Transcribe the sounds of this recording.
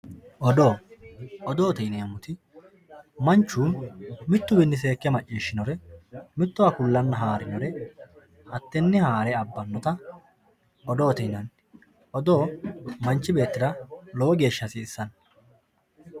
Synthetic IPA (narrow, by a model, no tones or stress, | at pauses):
ʔɔd̪oːʔɔd̪oːt̪ɛjneːmʊt̪ɪ | mɐnt͡ʃːuːmɪt̪ːʊbɪnːɪs̬e̞ːkːɛmɐt͡ʃʼːiːʃːɪnɔɾɛmɪt̪ːʊakʊlːɐnːɐɦaːɾɪnɔɾɛ | ʔɐt̪ːɛnːɪhaːɾɛɐbːɐnːɔt̪ɐ | ɔd̪oːt̪ɛjnɐn | ʔɔd̪o̞ːmɐnt͡ʃːɪbe̞ːt̪ːɪd̪ɐlɔwɔɡe̞ːʃːɐsɪːsːɐn